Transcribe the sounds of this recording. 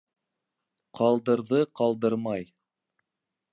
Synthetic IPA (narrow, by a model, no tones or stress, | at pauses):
qʰɑlˠd̪ɤ̆ɾðɤqʰɑlˠd̪ɤɾmɑj